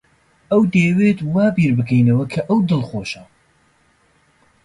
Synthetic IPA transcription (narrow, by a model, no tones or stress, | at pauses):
ʔɐwd̪eːwet̪waːbiːɾbɨkʰɛjnɐwɐkʰɐʔɐwd̪ɨlˠχoːʃɐ